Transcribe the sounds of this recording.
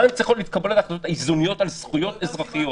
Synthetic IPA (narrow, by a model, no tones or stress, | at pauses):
emt͡sajχotlit̪kabe̞letaːχlatothaizonijo̞talsχujo̞t̪ezʁaχijo